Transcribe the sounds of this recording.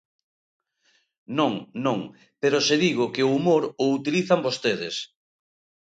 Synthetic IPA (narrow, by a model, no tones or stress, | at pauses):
nõŋnõŋ | peɾoseðiɣ̞ʊkɪʊumoɾʊut̪iliθambost̪eðɪs